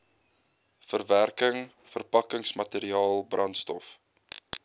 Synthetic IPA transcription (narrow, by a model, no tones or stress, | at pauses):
fərværkəŋfərpɐkəŋsmɐteɾiɑːlˠbrɐnstɔf